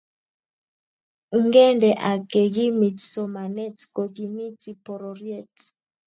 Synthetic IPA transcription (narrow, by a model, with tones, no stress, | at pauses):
ŋɡɛ˦ndɛ˨ʔa˨ke˨ɡi˦mi˨tso˨ma˨nɛ˦tko˨ki˨mi˦ti˨pɔ˨ɾɔ˨ɾjɛ˦t